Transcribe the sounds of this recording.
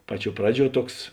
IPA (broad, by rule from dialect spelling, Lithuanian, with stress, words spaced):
ˈpɑːˌt͡ʃʲuɔ ˈprɑːˌd͡ʒʲuɔ ˈtuɔks